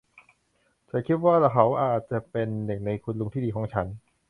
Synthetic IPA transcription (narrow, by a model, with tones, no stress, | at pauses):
t͡ɕʰa˨˧˥kʰi˦˥t̪̚waː˥˩la˧˩kʰa˦˥wʔaː˨˩t̪̚t͡ɕa˨˩pe˧nːe˨˩na˧jkʰu˧nlu˧ŋt̪ʰiː˥˩diː˧kʰɔː˩˦ŋt͡ɕʰa˦˥n